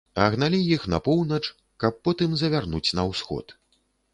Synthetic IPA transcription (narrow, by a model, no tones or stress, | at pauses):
ɐɣnalʲijixnɐ̰pɔwnɐt͡ʂ | kɐpːɔt̪ɨmzɐvʲarnut͡sʲnɐwsxɔ̰t̪